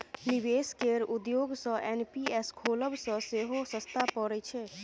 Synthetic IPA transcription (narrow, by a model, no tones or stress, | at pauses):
niʋeskeɾud̪joɡsə̃ʔenpieskʰoːləbsə̃seɦosə̃st̪ʰapɔɾɛt͡ʃʰe